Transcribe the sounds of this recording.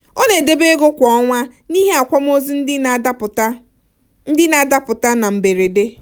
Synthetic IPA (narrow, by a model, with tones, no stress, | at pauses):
o˦ne˨de˦be˦ɡo˦kʷɔ˨˦ŋʷa˦ni˦ɦe˦a˨kʷa˦m˦o˦zi˦n̩˦dɪ˦˨˦ | n̩˦dɪ˦na˨da˦pʊ˨ta˦na˨m̩˨be˨ɾe˨de˦